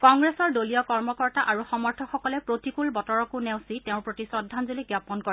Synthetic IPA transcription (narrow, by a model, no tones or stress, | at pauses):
kɔŋɡɹɛsɔɹdolijɔkɔɹmɔkɔɹtaʔaɹuxɔmɔɹtʰɔxɔkɔlɛpɹotikulbɔtɔɹɔkuneʊ̃siteʊ̃ɹpɹotisɔdʱːanzuliɡjapɔnkɔ